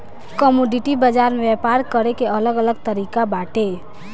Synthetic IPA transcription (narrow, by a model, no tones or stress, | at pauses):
kəmoɖiʈibəd͡ʒaɾmeepaɾkəɾekeələɡələɡt̪əɾikabaʈe